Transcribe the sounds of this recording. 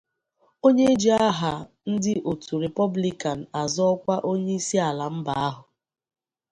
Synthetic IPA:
o˦ɲe˦d͡ʒi˦a˦ɦa˨ | n̩˦dɪ˦ʔo˨tu˨ɾe˨pɔ˦bli˦ka˨n̩˨a˨zɔ˦kʷa˦ʔo˦ɲe˦i˦si˦a˨la˨m̩˦ba˨a˦ɦʊ˨

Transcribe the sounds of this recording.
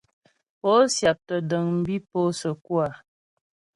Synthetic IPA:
po˦sja˨p̚tə˨də˨ŋm̩˦bi˦po˦sə˨kwa˨

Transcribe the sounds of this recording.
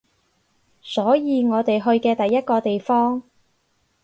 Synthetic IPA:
sɔː˨˥jiː˨˧ŋɔː˨˧t̪e˨jɦɵ˧ɥkɛː˧t̪ɐ˨jːɐ˥t̚kɔː˧t̪e˨jfɔː˥ŋ

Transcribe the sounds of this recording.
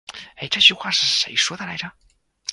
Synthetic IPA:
e˥˩ɪʈ͡ʂɤ˥˧t͡ɕy˥˧xwa˥˩ʂɻ̩˥˩ʂe˧˥ɪʂwɔ˥d̪ə˨˩la˧˥ɪʈ͡ʂə˧

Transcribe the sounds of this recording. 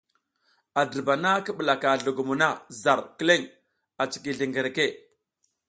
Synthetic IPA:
a˨də˨ba˨na˦kə˦ɓə˨la˨ka˨ɮu˨ɡu˨mu˨na˦za˨ɾki˦le˦ŋ | a˨t͡si̥˨ki˨ɮi˨ŋɡe˨ɾe˨ke˦˨

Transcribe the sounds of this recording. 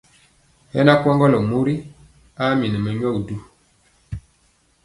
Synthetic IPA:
hɛ˦na˦kwɔ˦ŋɡɔ˦lə˨mu˦ɾi˦ | a˦mi˨nə˨mə˨ɲɔ˦˨k̚du˦

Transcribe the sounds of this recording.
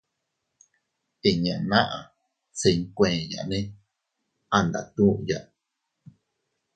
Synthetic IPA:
e˨ɲã˨nã˦ʔã˨ | t͡se˧ŋkʷẽː˨ja̰˨ʔnẽ˦ | a˧nd̪a̰˨t̪ũ˦ʔja˧ʔ

